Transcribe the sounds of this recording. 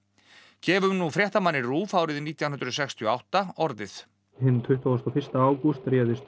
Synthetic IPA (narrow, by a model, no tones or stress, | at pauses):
cʰɛːvʏmnufɾjɛht̪amanːɪruːfaːwɾɪðniːt̪jawnʏnɾsɛkst̪ʰjʏɔa̰wht̪aɔɾðɪθ | hɪnt̪ʰʏht̪ast̪ɔfɪ̥st̪aaːwkust̪ɾjɛːðɪst̪